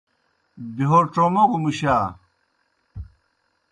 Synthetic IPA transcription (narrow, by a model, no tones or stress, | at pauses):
biɦoʈ͡ʂomɐɣumiɕaː